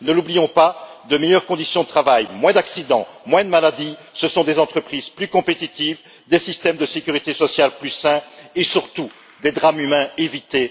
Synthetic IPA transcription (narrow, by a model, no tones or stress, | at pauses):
nəlublijɔ̃pad̪əmejœʁkɔ̃d̪isjɔ̃d̪ət̪χavajmwɛ̃d̪aksid̪ɑ̃mwɛ̃d̪əmalad̪isəsɔ̃d̪ezɑ̃t̪χəpχizplykɔ̃pet̪it̪iv | d̪esist̪ɛmd̪əsekʲyʁit̪esɔsjalplysɛ̃esyʁt̪u | d̪ed̪ʁamymɛ̃evit̪e